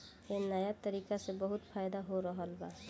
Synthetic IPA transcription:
enəjat̪əɾikasebəɦut̪pʰajd̪aɦoɾəɦəlba

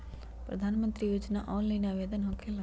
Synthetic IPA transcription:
pɾɐ̰d̪ʱaːnmənt̪ɾijoːd͡ʒna̰ʔɔːnlainaʋeːd̪ənɦɔkʰel

